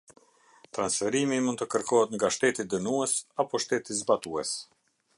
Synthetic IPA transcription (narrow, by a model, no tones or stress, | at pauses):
t̪ɾansfɛɾimimunt̪t̪əkəɾkɔɦɛt̪ŋɡaʃt̪ɛt̪id̪ənuɛsapɔʃt̪ɛt̪izbat̪uɛs